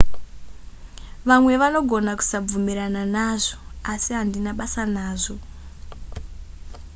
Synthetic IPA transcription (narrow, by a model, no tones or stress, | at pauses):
ʋamwe̞ʋano̞ɡʱo̞naku̥sab͡vumiɾananaʐo̞̥asiɦandinaɓasanaːʐo̞